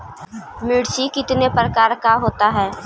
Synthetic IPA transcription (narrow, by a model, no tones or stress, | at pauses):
mɪɽsikɪt̪nepɾəkaːɾkaɦoːt̪aɦɛː